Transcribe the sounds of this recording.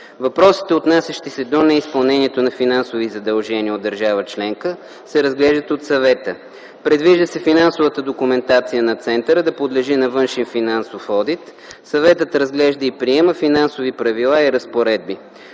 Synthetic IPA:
vɐpɾɔsi̥t̪ɛot̪nasʲɐʃt̪isɛd̪onɛispɐlˠnɛniɛt̪onɐfinansovizɐd̪ɐlˠʒɛniəod̪ːəɾʒavət͡ʃlɛŋkə | sɛɾɐzɡlɛʒd̪ət̪ot̪sɐvɛt̪ə | pɾɛd̪viʒd̪əsɛfinansovət̪əd̪okumɛnt̪at̪sijənɐt̪sɛnt̪əɾəd̪ɐpod̪lɛʒinɐvɤnʃɛnfinansofɔd̪it̪ | sɐvɛt̪ət̪ɾəzɡlɛʒd̪əipɾiɛməfinansovipɾɐvilˠaiɾɐspoɾɛd̪̚bi

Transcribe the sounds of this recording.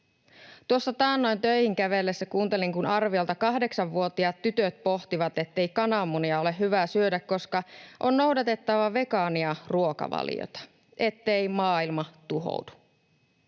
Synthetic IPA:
t̪uosːɑt̪ɑːnːojnt̪ø̞ihiŋk̟æʋe̞lːesːækuːnt̪e̞liŋkunɑrʋiolt̪ɑkɑɦde̞ksɑʋʋuo̞t̪iɑt̪ːyt̪øt̪̚po̞ht̪iʋɑt̪e̞t̪ːe̞jkɑnɑːmːuniɑo̞le̞ɦyʋæːsyødækːo̞skɑʔonːo̞uwdɑt̪e̞t̪ːɑʋɑʋe̞kɑːniɑruo̞kɑ̰ʋɑ̰ljo̰t̪ɑ̥ | ʔe̞t̪ːe̞imɑːilmɑt̪uɦo̰udu̥

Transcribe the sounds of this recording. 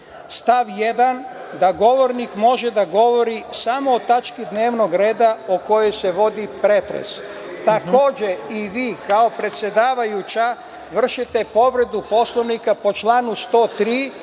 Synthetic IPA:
st̪aʋjed̪an | d̪aɡo̞ʋo̞ɾnikmo̞ʒed̪aɡo̞ʋo̞ɾisamoːt̪at͡ʃkid̪ne̞ːʋno̞ɡɾe̞ːd̪aoko̞jo̞jse̞ʋo̞d̪ipɾet̪ɾḛs | t̪ako̞ːd͡ʑeiʋiːkao̞pɾe̞t̪sje̞d̪aːʋajut͡ɕa | ʋr̩ʃit̪e̞po̞ʋɾe̞d̪upo̞slˠoʋnikapo̞t͡ʃlaːnust̪o̞ːt̪ɾiː

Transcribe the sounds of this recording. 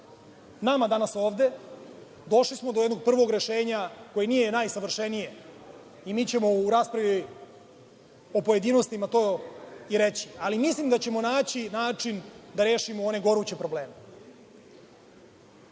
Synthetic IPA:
namad̪anaso̞ːʋd̪e̞ | d̪o̞ʃlismod̪ojed̪noɡ̚pr̩ʋo̞ɡɾe̞ʃe̞ːɲako̞jenijenajsaʋr̩ʃenije̞ | imiːt͡ɕe̞mo̞uɾaːspɾaʋi | opo̞je̞d̪inost̪imat̪oiɾet͡ɕi̥alimislimd̪at͡ɕe̞mo̞naːt͡ɕinaːt͡ʂind̪aɾe̞ːʃimooneɡo̞ɾut͡ɕe̞pɾo̞bleːme

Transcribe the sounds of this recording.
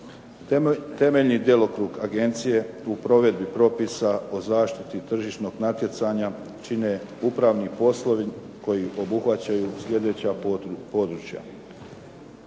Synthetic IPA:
t̪e̞me̞ʎnid̪je̞lˠo̞kɾuːɡaɡe̞nt̪sije̞upɾo̞ʋe̞d̪bipɾo̞pisao̞zaːʃt̪i̥t̪it̪r̩ʒiʃno̞ɡnat̪je̞t̪saɲa | t͡ʃine | upɾaːʋnipo̞slˠo̞ʋi | ko̞jiʔo̞buxʋat͡ɕajuːsʎʲe̞d̪e̞t͡ɕapo̞d̪ɾut͡ʃja̰

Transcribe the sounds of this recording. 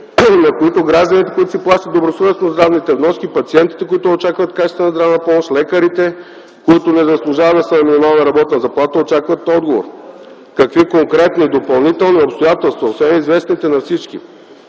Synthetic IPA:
nɐkoit̪oɡɾaʒd̪ənit̪ɛkoit̪ʊ̥siplˠaʃt̪ət̪ːobɾosoɾɛsnozd̪ɾavnit̪ɛvnɔskipɐt̪siɛnt̪it̪ɛkoit̪ʊot͡ʃakvət̪kat͡ʃt̪t̪ənɐzd̪ɾavnɐpɔmoʃtlɛkəɾit̪ɛ | koit̪ʊnɛzɐslˠʊʒavəd̪ɐsənɐminimalˠnɐɾɐbɔt̪nəzɐplˠat̪əot͡ʃakvɐt̪ɔd̪ɡovo̰ɾ | kɐkvikoŋkɾɛt̪nid̪opɐlˠnit̪ɛlˠniopst̪ojat̪ɛlˠst̪vɐosvɛnizvɛsnit̪ɛnɐfsit͡ʃkḭ

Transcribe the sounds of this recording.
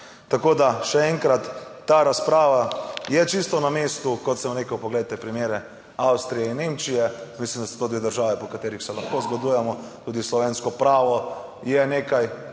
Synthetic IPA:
t̪akoːd̪aʃɛɛŋkɾat̪ːaɾaspɾaːʋajɛt͡ʃist̪ɔnameːst̪ukɔt̪sɛmɾeːkəwpɔɡlejt̪ɛpɾimjeːɾɛ | awst̪ɾijɛinːemt͡ʃijɛmislimd̪aso̥t̪oːd̪ʋeːd̪əɾʒaːʋɛpɔkat̪eːɾixsɛlaxkoːzɡod̪ujɛmɔt̪uːd̪islɔʋenskɔpɾaːʋɔ | jɛneːkaj

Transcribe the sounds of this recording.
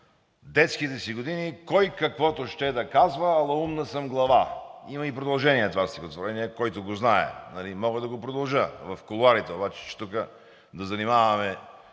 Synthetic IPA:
d̪ɛt̪skit̪ɛsiɡod̪inikɔjkɐkvɔt̪ʊʃt̪ɛd̪ɐkazvəːlˠɐumnəsəmɡlˠɐvaimɐipɾod̪ɐlˠʒɛniɛt̪vast̪ikot̪voɾɛniɛkɔjt̪ʊɡoznaɛ̰nɐlimɔɡəd̪ɐɡopɾod̪ɐlˠʒəvɐfkolˠʊaɾit̪ɛobat͡ʃɛ̥t͡ʃɛ̥t̪ukə | d̪ɐzɐnimavɐmɛ

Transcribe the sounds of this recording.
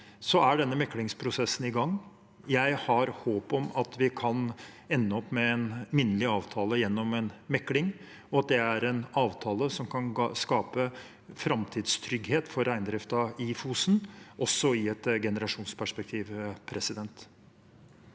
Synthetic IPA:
sɔæɖɛnːəmɛkːlɪŋspʰɾʊsɛsːnɪɡɑŋː | jæɪhɑɾhoːpɔmɑt̪ʋɪkʰɑn | ɛnːəɔpːmɛɛnmɪnːəlɪɑːʋt̪ʰɑːləjɛnːɔmɛnmɛkːlɪŋ | ɔɑt̪̚d̪ɛæɾɛnɑːʋt̪ʰɑːləsɔmkʰɑnskɑːpə | fɾɑmt̪ʰiːd̪st̪ʰɾʏɡheːt̪fɔɾæɪnd̪ɾɪft̪ɑifuːsn̩ʔɔsːɔɪɛt̪ɡɛnəɾɑʂuːnspʰæʂpɛk̚t̪ʰiːʋpʰɾʔɛsɪd̪ɛnt̪

